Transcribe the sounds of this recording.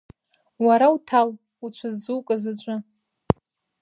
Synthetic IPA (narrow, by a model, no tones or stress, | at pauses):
waɾautʰal | ut͡ʃʷʰazuwkʼazat͡ʃʷʼʊ